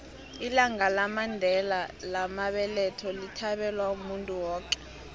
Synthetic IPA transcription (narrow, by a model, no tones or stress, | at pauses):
ilaŋalamandʱɛlalamaɓɛlɛtʰɔlitʰaɓɛlwaumuntʼuwɔːk̬ʼɛ̥